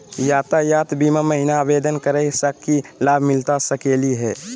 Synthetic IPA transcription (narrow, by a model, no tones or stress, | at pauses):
jaːt̪ajaːt̪bimaməɦinaːbeːd̪ənkəɾəsəkːilaːbʱmɪlt̪asəkeːliɦɛː